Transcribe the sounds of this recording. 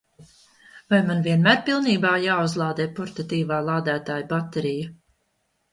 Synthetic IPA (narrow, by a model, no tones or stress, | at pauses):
vajmanviɛnmæːɾpilˠniːbaːjaːuzlˠɑːd̪ɛːpuɾt̪at̪iːvaːlˠaːd̪æːt̪aːjbat̪ɛɾija